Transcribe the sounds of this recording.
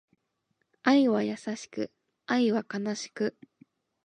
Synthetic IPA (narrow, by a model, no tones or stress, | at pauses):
aiβajasaɕi̥kɯ̟̰ | aiβakanaɕi̥kɯ̟